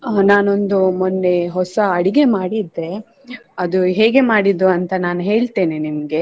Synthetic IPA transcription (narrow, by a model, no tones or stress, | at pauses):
naːnond̪umonːeɦɔsɐɐɽiɡe̞maːɽid̪ːe̞ | ɐd̪uɦeːɡe̞maːɽid̪ɾuɐnt̪ɐnaːnɦe̞ːɭt̪eːninimɐɡe̞